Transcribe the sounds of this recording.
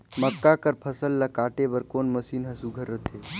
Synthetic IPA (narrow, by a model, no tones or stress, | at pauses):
məkːakəɾpʰɐsəlːakaːʈebəɾkoːnməsiːnɦɐsuɡʱəɾːət̪ʰeː